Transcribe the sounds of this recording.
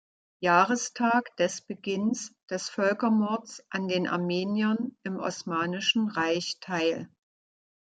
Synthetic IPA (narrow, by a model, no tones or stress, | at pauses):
jaːʁəstʰaːkd̥ɛsb̥əɡɪnsd̥ɛsfœlkɐmɔɐt͡sʔandeːnʔa̰ɐmeːnjɐnɪmʔɔ̰smaːnɪʃn̩ʁaɪçtʰaɪl